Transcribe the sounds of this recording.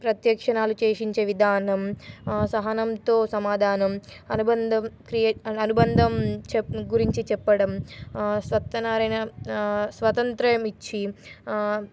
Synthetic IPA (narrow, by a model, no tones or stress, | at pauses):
pɾɐt̪jɐkʂɐnaːlut͡ʃeːʂiɲt͡ʃeːʋid̪ʱaːnɐmsɐɦɐnɐmt̪oːsɐmaːd̪ʱaːnɐmɐnubɐnd̪ɐmkɾijɐnubɐnd̪ʱɐmt͡ʃɡuɾiɲt͡ʃit͡ʃɛpːɐɽɐmsʋɐt̪ːɐnaːɾɐjnɐ | sʋɐt̪ɐnt̪ɾɐjɐmit͡ʃːi